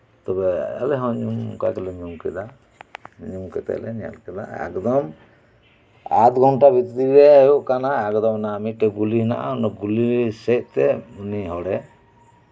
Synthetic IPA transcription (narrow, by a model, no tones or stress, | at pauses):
t̪ɔbɛa̰lɛɦɔ̃ɲumka̰kɛlɛɲumkɛd̪a | ɲumkɛt̪ɛ̰ʔlɛ̰nija̰lkɛla̰ɛ̰kd̪ɔm | a̰t̪ɡʱɔɳʈabit̪t̪ibɛjuʔkanaɛkd̪ɔmnamit̪̚ʈɛɡulina̰ʔa̰nɔɡulisɛt̪̚ˀt̪ɛuniɦɔɽɛ